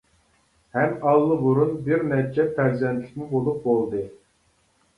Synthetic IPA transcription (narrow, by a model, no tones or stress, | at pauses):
hɛmɑlˠːɨbuɾunbɪɾnɛt͡ʃʰɛpʰæɾzɛnt̪ʰlɪ̥k̚ʲmubolˠuq̚bolˠd̪ɨ